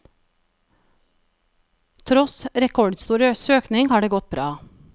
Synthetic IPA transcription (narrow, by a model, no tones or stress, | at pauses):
t̪ʰɾɔsɾɛkʰɔɖst̪uːɾəsøːknɪŋhɑːɖeːɡɔt̪̚bɾɑː